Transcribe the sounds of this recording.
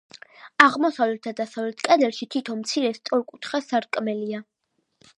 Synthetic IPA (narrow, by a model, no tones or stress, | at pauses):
aʁmɔsavlɛt̪ʰad̪asavlɛt̪ʰkʼɛd̪ɛlʃit̪ʰit̪ʰɔnmt̪sʰiɾɛst̪sʼɔɾkʼut̪ʰχasaɾkʼmɛlia